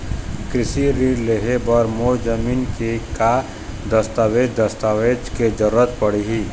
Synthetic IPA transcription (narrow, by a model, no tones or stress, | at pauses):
kɾɪsiɾiɾleɦebəɾmod͡ʒəminkeka | d̪əst̪aːwed͡ʒd̪əst̪awed͡ʒked͡ʒəɾuɾət̪pəɽiɦi